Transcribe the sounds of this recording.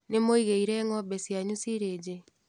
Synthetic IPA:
nemoiɣeiɾɛŋɔbɛsjaɲusiɾed͡ʒe

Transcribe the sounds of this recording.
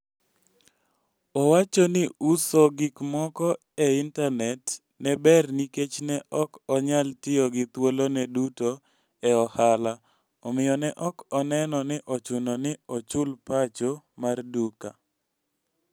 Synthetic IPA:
ɔwat͡ʃɔnɪusoɡɪkmɔkɔ | ɛintanɛt | nɛbɛrniket͡ʃnɛʔɔkɔɲaltɪɔɡɪt̪wolonɛduto | ɛɔhala | ɔmɪjɔnɛʔɔkɔnɛnɔnɪʔɔt͡ʃʊnɔnɪɔt͡ʃʊlpat͡ʃomarduka̰

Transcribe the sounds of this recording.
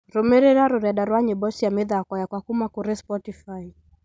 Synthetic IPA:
ɾɔmɛɾɛɾaɾɔɾaɗaɾwaɲɛbɔsiamɛðaːkwajakwakumakuɾɛspɔtifai

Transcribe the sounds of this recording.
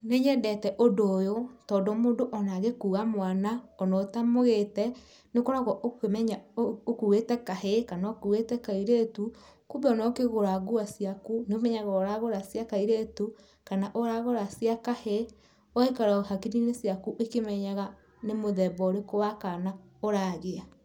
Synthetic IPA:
neɲɛndɛtɛʔodoːjotɔːdomondoʔɔnaɣekuːɣamwanaɔnɔtamoɣetɛ | nekoɾaɣɔʔkemɛɲaokuɣetɛkahekanakuɣetɛkaiɾetukubɛɔnɔkeɣoɾaɣuasjakuneomɛɲaɣaoɾaɣoɾasjakaiɾetu | kanaʔoɾaɣoɾasiakahe | oekaɾaohakiɾinesjakuʔekemɛɲaɣa | nemoðɛbɔɾekowakana | oɾaɣea

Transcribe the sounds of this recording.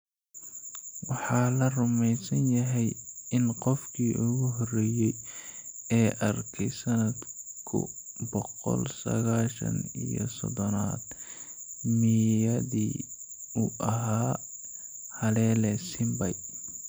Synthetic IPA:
wɑħɑːlɐrʊmɛjsɐnjɐɦɛjɪnqɔfkʰiːʔʊɣʊɦɔrɛːjɛj | ɛːʔɐrkʰɛjsɐnɐd̪kʰʊ̰bɔqɔ̰lsɐ̰ɣaːʃɐ̰nijɔ̰sɔ̰ðɔnaːd̪ | mijɐðiː | uʔɐɦaː | hɐlɛːlɛsɪmbɐj

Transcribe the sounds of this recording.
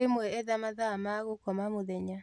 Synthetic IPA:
emwɛɛðamaðamaɣokɔmamoðɛɲa

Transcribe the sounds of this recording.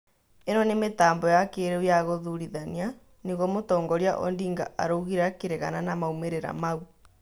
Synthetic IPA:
enɔnemetaːmbɔjakeɾeujaɣoðuɾiðania | niɣomotɔːŋɡɔɾjaʔɔ̰ndiːŋɡa̰ʔa̰ɾouɣiɾakeɾeɣa̰nanamaumeɾeɾa̰mau

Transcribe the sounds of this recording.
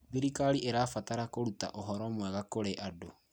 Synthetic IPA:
biɾikaɾiʔeɾaːfataɾakoɾuta̰ʔoɦɔɾɔmwɛɣakoɾeʔado

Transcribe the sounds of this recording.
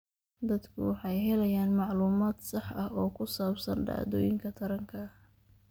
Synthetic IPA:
d̪ɐd̪kʰʊ̰wɑħɑjɦɛlɐjaːnmɑʕluːmaːd̪sɑħɐhɔːkʰʊsaːbsɐ̰nɖa̰ːd̪ɔ̰ːjɪŋkʰɐt̪ʰɐɾɐŋkʰɐ

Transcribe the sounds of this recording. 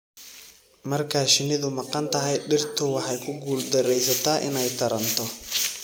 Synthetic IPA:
mɐrkʰaːʃɪnɪðʊmɑqɑnt̪ʰɐɦɛjɖɪrt̪ʰʊwɑħɑjkʰʊɡuːld̪ɐɾɛjsɐt̪ʰaːʔɪnɛjt̪ʰɐɾɐnt̪ʰɔ

